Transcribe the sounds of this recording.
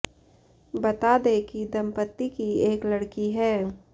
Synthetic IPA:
bɐt̪aːd̪ekid̪ɐmpət̪ːikieːklɐɽkiɦɛː

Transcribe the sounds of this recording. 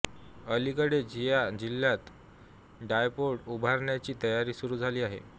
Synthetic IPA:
əlikəɽed͡ʑijad͡ʑilːjat̪ | ɖajpoɽubʱaɾɳjat͡ɕiːt̪əjaɾiːsuɾuːd͡zʱaliːaɦḛ

